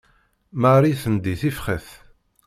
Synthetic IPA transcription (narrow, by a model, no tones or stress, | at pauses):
maɾiθənd̪iθifχəθ